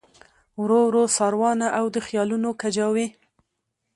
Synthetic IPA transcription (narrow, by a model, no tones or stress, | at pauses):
wɾowɾosɑɾwɑnaʔawd̪əxjɑlunokad͡ʒɑwe